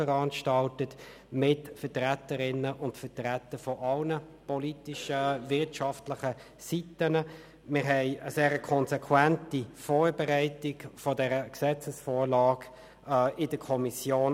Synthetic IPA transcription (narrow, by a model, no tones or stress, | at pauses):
fəʁɑnʃtɑltət | mɪtfətʁætəɾɪnəʔʊntfətʁætəfɔʔɑlnəpɔlitiʃəvɪʁtʃɑftlɪχə | sitənə | mɪʁɦɛɪəseːʁəkʰɔnsɛkʰwæntifoːɾbɛʁæɪtɪɡfɔdɛʁəksɛt͡səsfɔːɾlɑːɡ | ɪdəkʰɔmisjoːn